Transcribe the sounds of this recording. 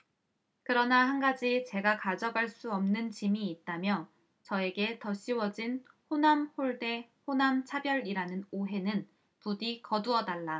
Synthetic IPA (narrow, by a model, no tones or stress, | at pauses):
kɯɾʌnahanɡad͡ʑit͡ɕe̞ɡakad͡ʑʌɡaɭs͈uʌmnɯnt͡ɕimiːt̚t͈amjʌ | t͡ɕʌe̞ɡe̞tʌɕ͈iwʌd͡ʑin | ɸonamhoɭde̞ɸonamt͡ɕʰabjʌɾiɾanɯnoɦe̞nɯn | pudikʌduʌdaɭːa